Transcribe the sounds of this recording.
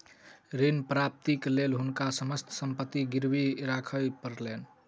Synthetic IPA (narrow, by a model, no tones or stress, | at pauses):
ɾinpɾap̚t̪iklelɦunkasəməst̪ʰsəmpət̪ːiɡiɾbiɾakʰəjpəɾlen